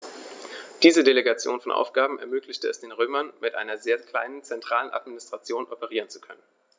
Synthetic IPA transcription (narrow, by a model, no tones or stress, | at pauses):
d̥iːzədeleɡat͡sjoːnfɔnʔa̰ʊfɡ̥aːbm̩ɛɐmøːklɪçtəɛsd̥eːnʁøːmɐnmɪtʔa̰ɪnɐzeːɐkl̥a̰ɪnənt͡sɛntʁ̥aːlənʔa̰tminɪstʁ̥at͡sjoːnʔɔpəʁ̞iːʁ̞ənt͡su̥kʰœnən